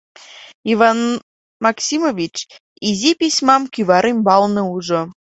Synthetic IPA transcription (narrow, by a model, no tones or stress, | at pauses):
ivɑn | mɑksʲimovʲit͡ɕ | izʲipʲisʲmɑmkʲyβɑɾemʲbɑlnɤ̆uʒo